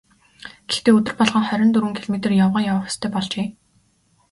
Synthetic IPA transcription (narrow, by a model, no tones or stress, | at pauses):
ɡ̥ext̪eːɵt̪ɘ̆rpɔɮʁə̆ŋχœɾʲɪ̆nt̪ɵɾŭŋkʰiɮɔmet̪ɘ̆rjawʁɔːjawə̆χʊ̥st̪ʰœːpɔɮt͡ɕeː